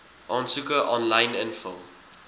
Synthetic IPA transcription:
ʔɑːnsukəʔɔnlajnənfəlˠ

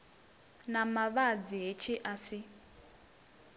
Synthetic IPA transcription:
namaβad͡ziɦet͡ʃʰiʔasi

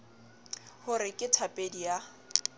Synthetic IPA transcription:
hʊɾɪkʼɪtʰapʼedija

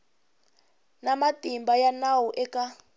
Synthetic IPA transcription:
namatʼimbajanawuʔɛka

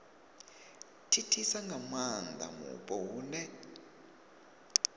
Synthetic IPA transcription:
tʰitʰisaŋɡʱamandʱa̰mṵɓʼɔwuːnɛ

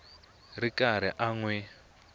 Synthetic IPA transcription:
rikʼaɾ̤ḭʔaŋwɛ

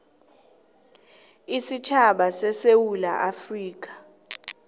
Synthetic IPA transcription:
isit͡ʃʰaɓasɛsewula̰ʔafriːk̬ʼḁ

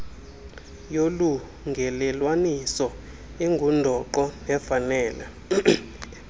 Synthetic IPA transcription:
jolu | ŋɡʱɛlɛlwanisɔ | ɛŋɡʱundʱɔǃɔnɛfanɛːla

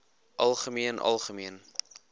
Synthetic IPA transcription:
ʔɐlˠχəmiənʔɐ̰lˠχəmiən

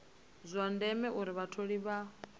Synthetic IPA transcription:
zʷwandɛmɛʔuɾiβatʰoɺiβa

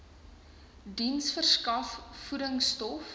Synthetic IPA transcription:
dinsfərskɐfːuɾəŋstɔf

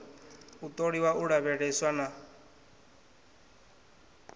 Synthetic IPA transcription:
ut̪ʼoɺiwaʔuɺaβɛɺɛswana

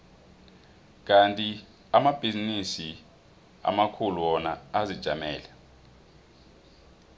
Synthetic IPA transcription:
k̬antʼi | amab̥ʱizinisi | a̰makʰuluɔnaːzid̥ʒ̥ʱamɛːlɛ

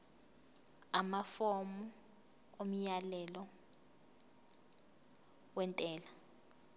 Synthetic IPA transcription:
amafomu | om̩jalɛlɔ | wɛntʼɛːla

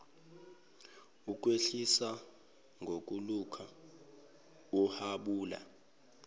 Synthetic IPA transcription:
uk̬ʼweɬisa | ŋʱok̬ʼulukʰa | uhaɓuːla̰

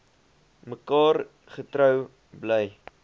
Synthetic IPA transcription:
məkɑːr | χətɾœw | bləj

